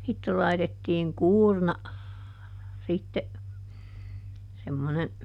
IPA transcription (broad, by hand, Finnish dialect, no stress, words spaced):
sitːe lɑitetːiːŋ kuːrnɑ sitːe semːone